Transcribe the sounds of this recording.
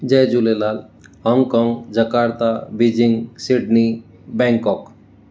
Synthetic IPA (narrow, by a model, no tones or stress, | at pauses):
d͡ʒɛjd͡ʒulelalhɔŋɡkɔŋɡd͡ʒəkaɾt̪abid͡ʒiŋɡsiɖni | bɛ̃ŋkɔk